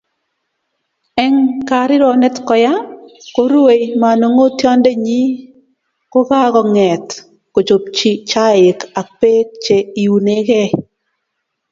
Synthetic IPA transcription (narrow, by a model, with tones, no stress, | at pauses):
ɛ˦ŋka˨ɾɪ˦ɾɔ˨nɛ˦tkɔ˨ja˦ko˦ɾu˦e˨jma˨no˨ŋo˦tjɔ˦ndɛ˦ɲi˦ | ko˦ka˦kɔ˨ŋɛ˨t | ko˨t͡ʃo˨p̚t͡ʃi˦t͡ʃa˦ɪ˨ka˨k̚pe˦k̚t͡ʃe˨i˨u˨ne˦kɛ˦